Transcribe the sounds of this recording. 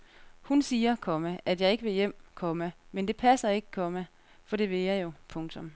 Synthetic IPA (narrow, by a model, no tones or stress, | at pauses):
hunsiːɐkʰɒ̽məʔæd̥jɑ̈ɪe̝ɡ̥əʋe̝jem̰kʰɒ̽məmend̥e̝pʰæsɐe̝ɡ̥ə̥kʰɒ̽mə | fɒ̽d̥e̝ʋe̝jɑɪjo̝pʰɔ̽ŋt͡sʰɔ̽m